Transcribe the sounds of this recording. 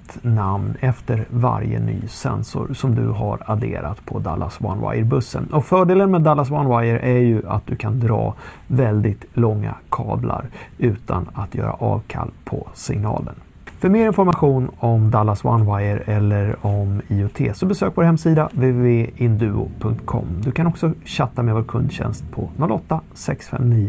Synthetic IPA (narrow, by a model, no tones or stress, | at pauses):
t̪namnɛft̪əɾvaɾjə̰ny̰ːsɛnsʊɾsɔmd̪ɵɦaɾad̪eːɾat̪pʰɔd̪alːaswanwa̰jəɾbɵsːə̰nɔfœːɖeːlənmeːd̪alːas̬wanwajəɾʔæɾjɵʔat̪̚d̪ɵkʰand̪ɾɑː | vɛld̪ɪt̪lɔŋːakʰɑːblaɾʉ̟ːt̪ʰanat̪ʰjœ̰ːɾaʔɑːvkʰalːpʰɔsɪŋnɑːlən | fœɾmeːɾɪnfɔɾmaɧuːnɔmd̪alːaswanwajəɾɛlːəɾɔmiːʊt̪ʰeːsɔbɛsøːkvoːɾhɛmsiːd̪avevveːɪnd̪ʉ̟ːʊ̰pʰɵŋkt̪kʰɔ̰mːd̪ɵkʰanɔksɔɕat̪ːamɛvoːɾkʰɵnd̪ɕɛ̰nst̪̚pʰɔnɔlːɔt̪ːa | sɛksfɛ̰mniːə